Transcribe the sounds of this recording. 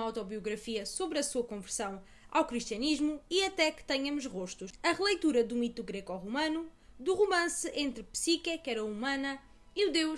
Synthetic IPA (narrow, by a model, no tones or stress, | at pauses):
awt̪ɔβiuɣɾɐfiɐsoβɾɐsuɐkõvɨɾsɐ̃w̃ | a̰wkɾiʃt̪iɐniʒmuiɐt̪ɛkɨ̥t̪ɛɲɐmuʃʁoʃt̪uʃɐʁɨlˠɐjt̪uɾɐd̪ũit̪uɣɾɛkɔʁumɐ̃nud̪uʁumɐ̃sɨẽnt̪ɾɨpsikɐkɛɾɐumɐ̃nɐ | iud̪ewʃ